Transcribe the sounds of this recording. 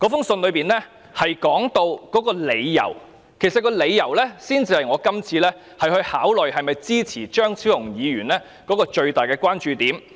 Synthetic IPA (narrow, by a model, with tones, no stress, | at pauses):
kɔː˨˥fʊ˥ŋsɵ˧nlɵ˨˧ɥpiː˨nlɛː˥ | hɐ˨jkɔː˨˥ŋt̪o˧wkɔː˨˥kɔː˧le˨˧jːɐ̰˨˩w | kʰe˨˩sɐ˨t̚kɔː˧le˨˧jːɐ˨˩wlɛː˥siː˥nt͡siː˧hɐ˨jŋɔː˨˧˥kɐ˥mt͡sʰiː˧lɛː˥ | hɐ˨jhɵ˧ɥhaː˨˥wlɵ˨˩jhɐ˨jmɐ˨jt͡siː˥t͡sʰiː˨˩t͡ʃœː˥ŋt͡sʰiː˨˥wjʊ˨˩ŋjiː˨˧ɥyː˨˩nlɛː˥ | kɔː˨˥kɔː˧t͡ʃɵ˧ɥt̪aː˨˩jkɛː˧kʷwaː˥nt͡ʃyː˨˧t̪iː˨˥m